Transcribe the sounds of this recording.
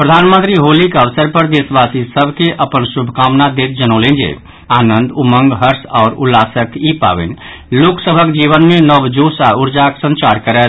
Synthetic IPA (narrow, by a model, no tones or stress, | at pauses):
pɾəd̪ʱanmə̃nt̪ɾiɦolikəʋsəɾpəɾd̪esbasisəbʱkeʔəpənsubʱkamnad̪et̪̚d͡ʒənolẽnd͡ʒḛ | aːnə̃nd̪umə̃ŋɡɦəɾsɔːɾulːasəkipa̰bḛn | loksəbʱəkd͡ʒiβənmenəbd͡ʒosauɾd͡ʒaksə̃nt͡ʃaɾkəɾɛ